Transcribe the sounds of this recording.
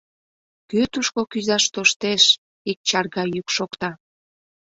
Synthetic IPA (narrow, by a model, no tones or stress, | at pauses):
kyt̪uʃkokyzɑʃt̪oʃt̪eʃ | ik̚t͡ɕɑrɣɑjykʃokt̪ɑ